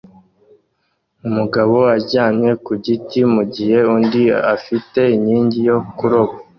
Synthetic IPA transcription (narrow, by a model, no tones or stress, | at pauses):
umuɡaβo̞aɟaːɲɲe̞kuɟitimuɟihe̞undiafite̞iɲiːɲɟijo̞kuɾo̞bo